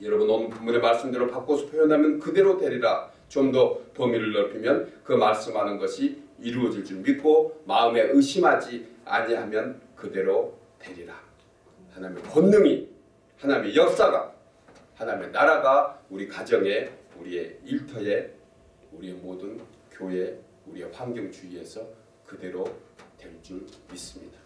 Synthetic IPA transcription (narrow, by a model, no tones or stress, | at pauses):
jʌɾʌbunʌmpumːunemaɭs͈ɯmdeɾopak͈osʰo̥pʰjojʌnɦamjʌnkɯde̞ɾodwe̞ɾiɾa | t͡ɕomdʌpʌmiɾɯɭːʌpʰimjʌnkɯmaɭs͈ɯmɦanɯnɡʌɕʰiiɾuʌd͡ʑiɭt͡ɕ͈imit̚k͈omaɯme̞ʔɯɕʰimɦad͡ʑia̰ɲiɦamjʌn | kɯde̞ɾo | twe̞ɾiɾa | hanaimekʌnːɯŋi | hanamejʌk̚s͈aɡa̰ | hanamenaɾaɡauɾikwad͡ʑʌŋe̞ | uɾie̞iɭtʰʌe̞ | uɾiemodɯnkjoe̞ | uɾieɸaŋɡjʌŋt͡ɕuie̞sʰʌ | kɯde̞ɾotwe̞ɭt͡ɕ͈uis͈ɯmɲid̥ḁ